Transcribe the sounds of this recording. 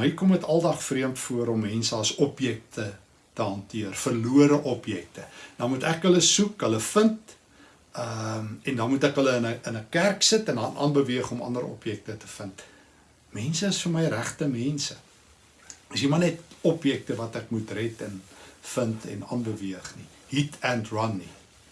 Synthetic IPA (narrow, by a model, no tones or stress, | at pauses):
ikɔmətɐlˠdɐχfriəmtfuəɾɔmːɛnsəɐsɔpjɛk̚tʰə | təɦɐntiərfərluəɾəʔɔpjɛk̚təd̥ɐnmutækɦələsukɦələfənt | əmɛndɐnmutækɦələənəənəkærksətɛndɐnʔɑ̰ːnbəviəχɔmɐ̰ndəɾɔ̰pjɛk̚tətə̥fənt | mɛnsəəsfəməjɾæχtəmɛnsə | əsimɐnɛtɔpjɛk̚təvɐtækmutrɛtɛnfəntʰɛ̰nɑ̰ːnbəviəχni | ɦitʰɛntrɐnːi